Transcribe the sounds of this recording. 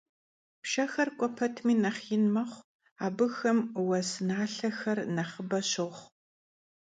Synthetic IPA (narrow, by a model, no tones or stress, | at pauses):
pʃɐxɐrkʷʼɔpʰɐtʰmiːnɐχjɪnmɐχʷ | aːbɨxɐmwɐsɨnaːɬɐxɐrnɐχəbɐɕɨχ